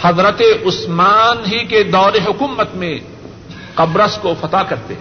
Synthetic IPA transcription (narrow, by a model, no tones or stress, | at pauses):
hɐzɾət̪eʔʊsmaːnɦiked̪ɔːɾeɦʊkuːmət̪mẽ | qɐbɾəskofɐt̪akɐɾt̪ḛ